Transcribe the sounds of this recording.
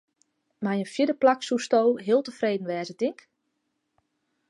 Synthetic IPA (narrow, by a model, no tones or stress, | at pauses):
majənfjɪdəplaksustowɦɪəlˠtəfreːdn̩ʋɛːzətɪŋk